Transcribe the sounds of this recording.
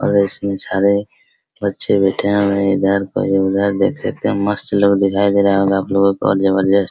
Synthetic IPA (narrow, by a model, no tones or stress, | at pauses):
ɔ̰ːɾɪsmẽsaːɾe | bətːʃʰebɛːʈʰeɦɾẽɪd̪ʱaɾko̰jeɪd̪ʱaːɾd̪ḛːkʰsək̚t̪eɦɛ̃məst̪loːɡd̪ɪkʰaːed͡ʒ̪eɾaɦɦoɡaːploːɡõkoɔ̰ɾd͡ʒɐbəɾd͡ʒas